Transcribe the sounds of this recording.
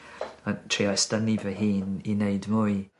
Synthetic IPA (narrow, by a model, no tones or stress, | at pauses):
antʰriɔstənivɛɦiːnineɨdmuːj